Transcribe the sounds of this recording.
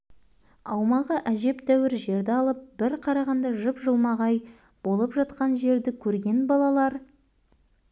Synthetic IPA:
ɑwmɑʁəʔæʒe̞pt̪ʰæwɪɾʒe̞ɾd̪ɪɑlˠəp̚b̥ɪɾqʰɑɾɑʁɑnd̪ɑʒəpʒəlˠmɑʁɑj | bo̞lˠəpʒɑt̪qɑnʒe̞ɾd̪ɪkʲʰɵɾɡʲe̞nbɑlˠɑlˠɑɾ

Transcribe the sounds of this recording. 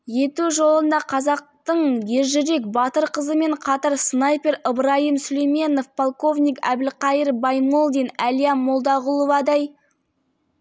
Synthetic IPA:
je̞t̪uʒo̞lˠənd̪ɑqʰɑzɑq̚t̪əɴje̞ɾʒɪɾe̞kbɑt̪əɾqʰəzəme̞ɴqʰɑt̪əɾsnɑjpʲe̞ɾəbəɾɑjəmsʏlejme̞no̞fpʰolˠko̞vnʲijkæ̰bɪlqɑjəɾbɑjmolˠd̪ijnælijɑmolˠd̪ɑʁʊlˠovɑd̪ɑj

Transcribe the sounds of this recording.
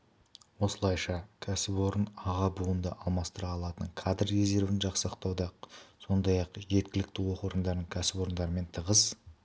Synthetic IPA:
wo̞səlˠɑjʃɑkʲʰæsɪpwo̞ɾənɑʁɑbuənd̪əʔɑlˠmɑst̪əɾɑɑlˠɑt̪əɴkʰad̪rːe̞ze̞ɾvɪnʒɑqsəəqt̪ɑwd̪ɑso̞nd̪ɑjɑqʒe̞t̪̚kʲɪlɪk̚t̪ɪwo̞qoɾənd̪ɑɾd̪əɴkʲʰæsɪpo̞ɾənd̪ɑɾəme̞nt̪ʰəʁəz

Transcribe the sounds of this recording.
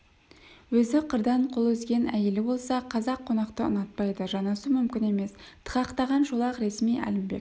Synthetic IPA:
wɵzɪqʰəɾd̪ɑɴqʰo̞lˠɵzɡʲe̞næ̰je̞lɪbo̞lˠsɑqʰɑzɑqʰːo̞nɑqt̪əʊ̰nɑt̪̚pɑjd̪əʒɑnɑsəmʏmkʲɪne̞me̞st̪ʰə̥qɑqt̪ɑʁɑnʒolˠɑqɾe̞smijæ̰lɪmbe̞̰k̚ʲ

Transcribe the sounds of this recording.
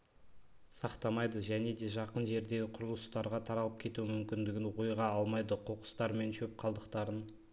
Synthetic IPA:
sɑqt̪ɑmɑjd̪əʒæne̞d̪e̞ʒɑqənʒe̞ɾd̪e̞ɡʲɪqʰʊɾəlˠəst̪ɑɾʁɑt̪ʰɑɾɑlˠəp̚kʲʰe̞t̪uɪmʏmkʲɪnd̪ɪɡʲɪnwojʁɑɑlˠmɑjd̪əqʰo̞qə̥st̪ɑɾme̞nʃɵp̚qʰɑlˠd̪əqt̪ɑɾən

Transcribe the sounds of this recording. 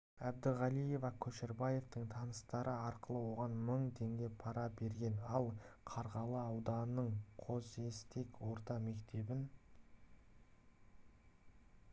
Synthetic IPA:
æb̚d̪ɪʁɑlˠije̞vɑkʲʰɵʃeɾbɑje̞vt̪əɴt̪ʰɑnəst̪ɑɾəɑɾqəlˠəwo̞ʁɑnməɴt̪ʰe̞ŋɡʲe̞pʰɑɾɑbe̞ɾɡʲe̞nɑlˠqʰɑɾʁɑlˠəɑwd̪ɑnəɴqʰo̞ze̞st̪e̞kwo̞ɾt̪ɑme̞kt̪ʰe̞bɪn

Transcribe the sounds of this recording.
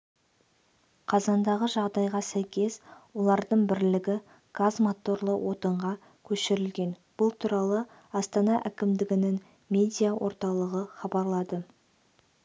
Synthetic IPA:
qʰɑzɑnd̪ɑʁəʒɑʁd̪ɑjʁɑsæjkʲʰe̞swo̞lˠɑɾd̪əɴbɪɾlɪɡʲɪ | ɡ̥azmat̪o̞ɾlˠəwʔo̞t̪əɴʁɑ | kʲʰɵʃɪɾɪlɡʲe̞nb̥ʊlˠt̪ʰuɾɑlˠə | ɑst̪ɑnɑʔækʲɪmd̪ɪɡʲɪnɪŋ | mʲe̞d̪ʲijawʔo̞̰ɾt̪ɑlˠəʁəχɑbɑɾlˠɑd̪ə

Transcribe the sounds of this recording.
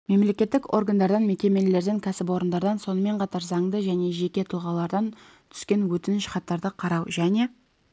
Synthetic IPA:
me̞mle̞kʲe̞t̪ːɪko̞̰rɡand̪ɑɾd̪ɑnme̞kʲe̞me̞le̞ɾd̪eŋkʲʰæsɪpo̞ɾənd̪ɑɾd̪ɑnso̞nəme̞ɴqʰɑt̪ɑɾzɑŋd̪əʒæne̞ʒe̞kʲe̞t̪ʰʊlˠʁɑlˠɑɾd̪ɑn | t̪ʰʏ̥skʲe̞nwɵt̪ɪnɪʃχɑt̪ːɑɾd̪əqʰɑɾɑwʒæne̞

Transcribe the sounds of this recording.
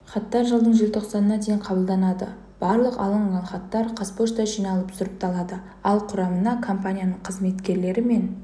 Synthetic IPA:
χɑt̪ːɑɾʒəlˠd̪əɴʒelt̪ʰo̞qsɑnənɑd̪e̞jɴqʰɑbəlˠd̪ɑnɑd̪ə̰ | b̥ɑɾlˠəqɑ̰lˠɑɴʁɑnχɑt̪ːɑɾqʰɑspoʃt̪ɑʒijnɑlˠəpsʊɾəp̚t̪ʰɑlˠɑd̪ə | ɑlˠqʰʊɾɑmənɑkʰo̞mpanʲijanəɴqʰəzme̞t̪kʲe̞ɾle̞ɾɪme̞n

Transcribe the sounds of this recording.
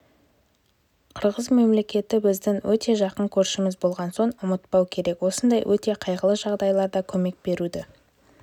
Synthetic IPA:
qʰəɾʁəzme̞mle̞kʲe̞t̪ɪbɪzd̪ɪŋwʔɵt̪e̞ʒɑqənkʲʰɵɾʃɪmɪzbo̞lˠʁɑnso̞ɴʊmət̪̚pɑwkʲʰe̞ɾe̞kwo̞sənd̪ɑjwʔɵt̪e̞qʰɑjʁəlˠəʒɑʁd̪ɑjlˠɑɾd̪ɑkʲʰɵme̞k̚b̥e̞ɾud̪ɪ

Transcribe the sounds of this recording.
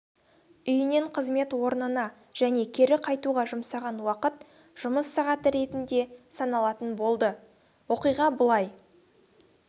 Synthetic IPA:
ʏjɪne̞ɴqʰəzme̞t̪wo̞ɾnənɑ | ʒ̥æne̞kʲʰe̞ɾɪqʰɑjt̪uʁɑʒʊmsɑʁɑnwɑqət̪ | ʒ̥ʊməsːɑʁɑt̪əɾe̞t̪ɪnd̪e̞sɑnɑlˠɑt̪ənbo̞lˠd̪ə | wo̞qijʁɑbʊlˠɑj

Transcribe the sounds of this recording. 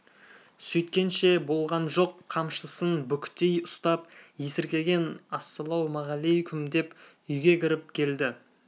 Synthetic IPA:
sɵjt̪̚kʲe̞nʃe̞bo̞lˠʁɑnʒo̞qʰːɑmʃəsənbʏkʲt̪ejʊst̪ɑpjesɪɾkʲe̞ɡʲe̞nɑsːəlˠɑwmɑʁɑlejkʲʰʏmd̪e̞p | ʏjɡʲe̞kʲʰɪɾɪp̚kʲʰe̞ld̪ɪ

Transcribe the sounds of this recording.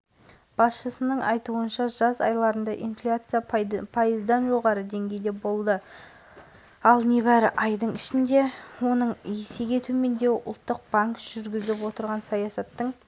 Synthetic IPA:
b̥ɑsʃəsənəɴɑjt̪uənʃɑʒɑzɑ̰jlˠɑɾənd̪ɑʔḭnflʲat̪sɨjapʰɑjəzd̪ɑnʒo̞ʁɑɾəd̪e̞ŋɡʲe̞jd̪e̞bo̞lˠd̪ə | ɑlˠne̞βæɾɪʔɑjd̪əɴɪʃɪnd̪e̞wo̞nəɴese̞ɡʲe̞t̪ʰume̞nd̪e̞ʔʊ̰lˠt̪ːəq̚b̥aŋkʒ̥ʏɾɡʲɪzlɪpwo̞t̪əɾʁɑnsɑjɑsɑt̪ːəɴ

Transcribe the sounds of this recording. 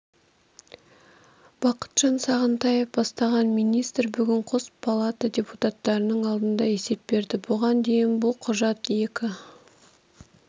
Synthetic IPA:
b̥ɑqə̥t̪ʒ̥ɑnsɑʁənt̪ɑjefbɑst̪ɑʁɑnmijnijst̪ɾbʏɡʲɪɴqʰospʰalˠat̪adʲe̞put̪at̪ːɑɾənəɴɑlˠd̪ənd̪ɑe̞se̞p̚be̞ɾd̪ɪboʁɑnd̪e̞jɪnbʊlˠqʰʊʒɑt̪je̞kʲɪ

